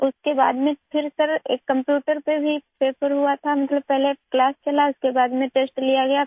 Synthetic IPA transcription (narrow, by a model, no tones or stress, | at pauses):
ʊskeba̰ːd̪mẽpʰɪɾsɐɾḛːkːɐ̃mpjuːʈəɾpebʱipeːfʰəɾɦuat̪ʰamɐt̪ləb̚pɛɦleklaːst͡ʃɐlaʊskebaːd̪mẽʈeːsʈlijaɡɐja